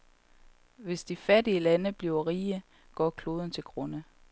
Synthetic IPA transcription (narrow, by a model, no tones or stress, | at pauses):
ʋe̝sd̥ifædiəlænəb̥liʊɐʁiːə | ɡ̥ɒ̰ːkʰlo̝ːð̞ˠn̩t͡sʰe̝lɡ̥ʁɔnə